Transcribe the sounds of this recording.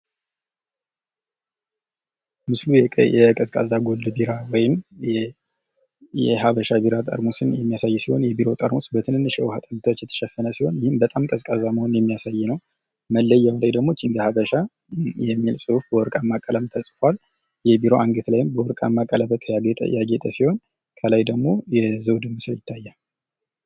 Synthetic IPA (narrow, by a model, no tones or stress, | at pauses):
mɨslujɛkʼəskʼa̰zaɡo̞ldbiɾawɔjɪm | jɛɦaβəʃabiɾat̪ʼə̰ɾmosɨnjɛmːijasajːsiho̞njɛbiɾo̞t̪ʼəɾmosbət̪ʰɨnhɨnːɨʃɛ̰what̪ʼəbɨt̪ʰat͡ʃːjɛt̪ʰə̥ʃɛfːənəsiho̞njɪhɨmbət̪ʼamkʼəskʼazaməhonnjɛmːijasajːnəw | məlːəjːawlajd̪əɡmo̞t͡ʃːɪŋɡəhaβəʃa | jɛmːilsʼuufbəwɔɾkʼamːakʼələmt̪ʰəsʼfwal | jɛbiɾo̞ʔaŋɡɨt̪lajɪmbəwɔɾkʼa̰mːakʼələbət̪ʰjajaɡɛt̪ʼəsiho̞n | kʰəlajd̪əɡmo̞jɛzəwd̪ɨmɨsɨljɪt̪ʰːajːa